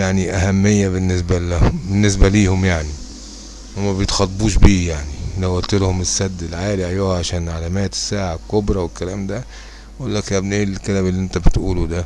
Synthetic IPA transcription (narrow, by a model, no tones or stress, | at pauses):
jaʕniʔahæmːɪjːabɪnːɪs̬baæbɪnːɪs̬baliːhʊmjaʕni | wɪmæbjɪt̪xɑt̪ˤːbuːʃ̬biːjaʕnilawalt̪ɪlhʊmɪsːæd̪ːɪlʕaːliʕajoːʕaʃæːnʕalæmæːt̪ɪ̥sːaːʕakʊbɾˤɑwɪlkːalæːmd̪æ | ʔʊlːakʔabneːllkalæːbɪlːiʔɪnt̪æbɪt̪ʔuːlud̪æ